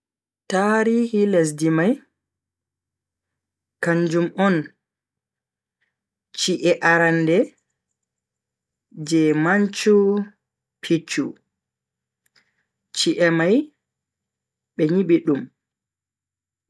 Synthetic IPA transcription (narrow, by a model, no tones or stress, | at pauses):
taɾiːhiles̬dimaj | kaɲd͡ʒumɔn | t͡ʃiʔɛʔaɾandɛ | d͡ʒɛmaɲt͡ʃu | pʰit͡ʃːṵ | t͡ʃiʔɛmaj | ɓɛɲiɓiɗum